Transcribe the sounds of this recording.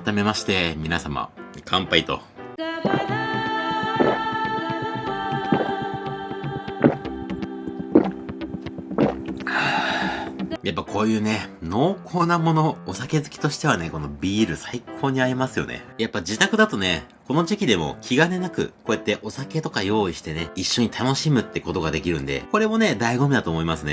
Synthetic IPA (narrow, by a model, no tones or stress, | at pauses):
t̪ame̞maɕi̥t̪e̞mʲinasama̰kʰãmpait̪o̞̰ | a | japːakʰo̞ːjɯ̟ːne̞no̞ːkʰo̞ːnamo̞no̞ːsake̞zɨkʲi̥t̪o̞ɕi̥t̪e̞β̞ane̞ko̞no̞bʲiːɾɯ̟saikʰo̞ːɲ̟iaɾʲimasɨjo̞̰nḛjapːad͡ʑit̪akɯ̟d̪at̪o̞ne̞ | ko̞no̞ʑikʲid̪e̞mo̞̰kʲʰiɡane̞nakɯ̟̰ko̞ːet̪ːe̞ʔo̞sake̞t̪o̞kajo̞ːiɕi̥t̪e̞ne̞iɕːo̞ɲ̟it̪ʰano̞ɕimɯ̟t̪ːe̞ko̞t̪o̞ɡad̪e̞kʲiɾɯ̟̰̃nd̪e̞̰ko̞ɾe̞mo̞ne̞d̪aiɡo̞mʲid̪at̪oːmo̞imasɨne̞